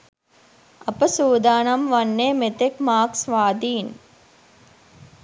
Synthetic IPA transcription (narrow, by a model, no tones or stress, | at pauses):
ɐpɐsuːd̪aːnɐmʋɐnːeːmet̪ekmaːksʋaːd̪iːn